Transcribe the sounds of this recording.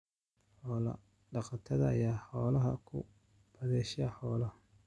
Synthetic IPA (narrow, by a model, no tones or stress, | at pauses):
ħɔlɐ̰ | ɖɑqɑt̪ʰɐðɐɐjaːħɔːlɐɦɐ̰kʰʊ̰ | b̥ɐðɛːʃaħɔːlɐh